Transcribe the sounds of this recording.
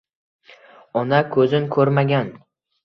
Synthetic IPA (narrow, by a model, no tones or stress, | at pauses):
ɒnakʰɵzɪnkʰɵɾmaɡʲan